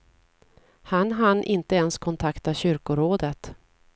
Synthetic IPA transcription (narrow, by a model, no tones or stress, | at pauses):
hanɦanʔɪnt̪əɛnskʰɔnt̪ʰakt̪aɕʏɾkʊɾoːd̪ət̪